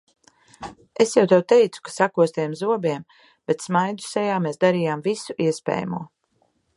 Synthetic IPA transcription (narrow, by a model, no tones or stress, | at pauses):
esjawt̪awt̪ɛjt̪su̥kḁsakuɔst̪ɛjɛmzuɔbiɛm | b̥et̪smajd̪u̥sɛjaːmeːsd̪aɾiːjaːmvisuʔiɛspɛ̰ːja̰mṵɔ